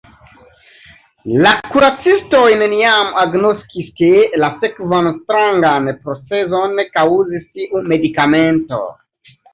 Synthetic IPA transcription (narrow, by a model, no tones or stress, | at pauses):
lakuɾat͡sisto̞jneniamaɡnoskiskelasekvanstɾaŋɡanpɾot͡sezo̞nekawzistiʔume̞dikame̞nto̞̰